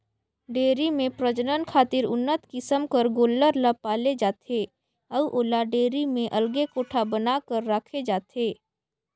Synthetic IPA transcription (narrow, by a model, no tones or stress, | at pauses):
ɖeːɾimẽpɾəd͡ʒənənkʰaːt̪ɪɾʊnːət̪kɪsəmkəɾɡoːlːəɾləpaːled͡ʒaːt̪ʰeː | əwʔoːlaɖeːɾimẽʔɐlɡekoːʈʰabənakəɾːaːkʰed͡ʒaːt̪ʰeː